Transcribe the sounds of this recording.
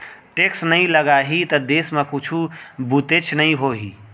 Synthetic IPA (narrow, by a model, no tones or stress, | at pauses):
ʈeksnəiləɡaɦit̪əd̪esmekut͡ʃʰubut̪et͡ʃʰnəĩɦoɦḭ